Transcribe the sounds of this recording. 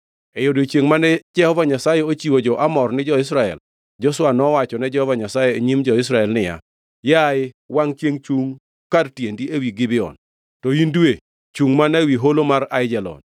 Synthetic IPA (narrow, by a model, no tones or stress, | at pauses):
ɛjodoit͡ʃjeŋmanɛd͡ʒɛhɔvaɲasajɛot͡ʃiwod͡ʒɔʔamɔrnɪd͡ʒɔɪs̬ɾaɛ̰l | d͡ʒɔswanɔwat͡ʃɔnɛd͡ʒɛhɔvaɲasajeeɲimd͡ʒɔɪs̬ɾaɛlnɪja̰ | jaɪ | waŋt͡ʃjeŋt͡ʃuŋ | kadtjendiewiɡɪbɪɔ̰n | tɔindwe | t͡ʃuŋmanawiɦolomaɾaɪd͡ʒɛlɔ̰n